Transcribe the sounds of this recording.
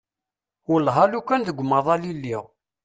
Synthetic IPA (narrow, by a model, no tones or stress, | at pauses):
ʊlɦɑlukʷːænðəɡʷːməðˤɑlilːiʁ